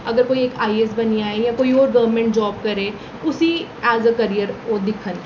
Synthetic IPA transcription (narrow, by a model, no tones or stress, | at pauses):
ɐɡəɾkoːieːkaːies̬bɐniaːejãkoːioːɾɡɐʋəɾmẽɳʈd͡ʒɔːb̚kɐɾẽː | ʊsiɛːzəkɐɾijəɾoːd̪ɪkʰːən